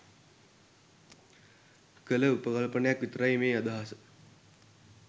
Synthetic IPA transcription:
kələupəkalpənəjakʋit̪ɾajmeːad̪aɦasə

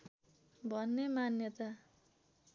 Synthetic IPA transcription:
bʱʌnːemanjʌt̪a

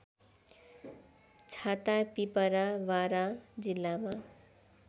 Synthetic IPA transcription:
t͡sʰat̪apipʌɾawaɾad͡zilːama

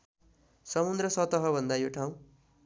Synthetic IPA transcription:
sʌmund̪rʌsʌt̪ʌɦʌbʱʌnd̪ajoʈʰaw̃

